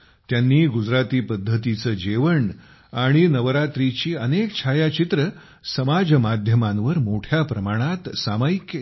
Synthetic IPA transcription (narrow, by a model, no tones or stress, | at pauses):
t̪janːiːɡud͡zɾat̪iːpəd̪ʱːət̪it͡səːd͡ʑeʋəɳ | aɽ̃inəʋɾat̪ɾit͡ɕiːənekt͡ɕʰajat͡ɕit̪ɾə | səmad͡zmad̪ʱjəmanʋəɾmoʈʰjapɾəmaɽ̃at̪samajikːe